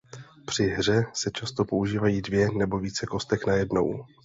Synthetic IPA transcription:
pr̥ɪɦr̝ɛsɛt͡ʃast̪o̞pouʒiːvajiːdvjɛnɛbo̞viːt͡sɛko̞st̪ɛknajɛdno̞̰w

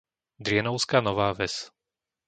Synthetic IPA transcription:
d̪ɾɪɛnɔʊskaːnɔʋaːʋɛs

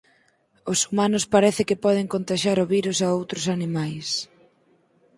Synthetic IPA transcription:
ʊsumanʊspaɾɛθɪkɪpɔð̞ɪŋkont̪aʃaɾʊβiɾusaowt̪ɾʊsanimajs

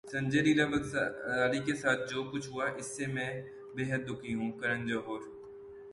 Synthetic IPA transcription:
sɐ̃ɲd͡ʒeɾiːlabɐsaːlikesaːt̪̚ʰd͡ʒoːkʊt͡ʃʰɦʊaʔɪsːemɛ̃ː | beːɦəd̪̚ːʊkʰiɦũkɐɾə̃nd͡ʒɐɦoːɾ

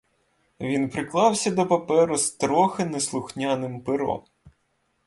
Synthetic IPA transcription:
ʋʲinpɾɪklˠɑwsʲɐd̪ɔpɐpɛɾʊst̪ɾɔxɪneslˠʊxnʲanɪmpɪɾɔ̰m

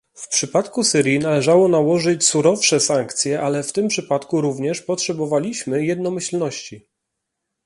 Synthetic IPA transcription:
fpʂɘpat̪kusɘɾʲjinalɛʐawɔnawɔʐɘt͡ɕsuɾɔfʂɛsaŋkt̪sʲjɛʔalɛft̪ɘmpʂɘpat̪kuɾuvɲɛʂpɔtʂɛbɔvalʲiɕmɘjɛd̪nɔmɘɕlnɔɕt͡ɕi

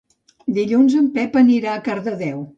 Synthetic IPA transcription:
d̪iʎunzəmpɛpəniɾaəkaɾðəðɛw

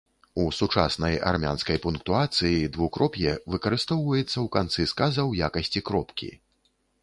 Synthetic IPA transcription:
usut͡ʂa̰snɐja̰rmʲa̰nskɐjpunkt̪uat̪sɨjid̪vukɾʔɔpʲjɛvɨkɐɾɨst̪ɔwvɐjɛt̪sːɐwkant̪sɨskazɐwjakɐsʲt͡sʲikɾɔpkʲḭ

